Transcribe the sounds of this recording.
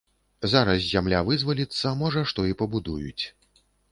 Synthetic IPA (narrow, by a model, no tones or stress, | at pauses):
zaɾɐs̬zʲamlʲavɨzvɐlʲit̪sːɐmɔʐɐʂt̪ɔipɐbud̪ujṵt͡sʲ